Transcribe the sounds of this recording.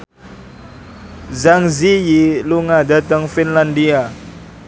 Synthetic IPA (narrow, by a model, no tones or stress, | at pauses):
zaŋzijiluŋadat̪əŋfinlandia